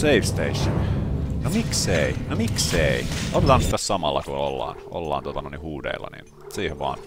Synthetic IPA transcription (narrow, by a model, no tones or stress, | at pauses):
seifst̪ḛiʃːonnomikseinomikseiʔot̪et̪ɑːnsit̪ːæssɑmɑlːɑkuolːɑ̰ːno̰lːɑ̰ːnt̪ot̪ɑnoˑinihuːdḛilːɑ̰nḭn | siːheʋʋɑ̰ːn